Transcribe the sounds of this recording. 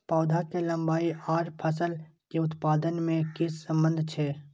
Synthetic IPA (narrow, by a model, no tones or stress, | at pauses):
pɔːd̪ʱakelə̃mbaːiaːɾpʰəsəlkeʊt̪paːd̪ənmẽkɪsːə̃mbə̃nd̪ʱt͡ʃʰɛː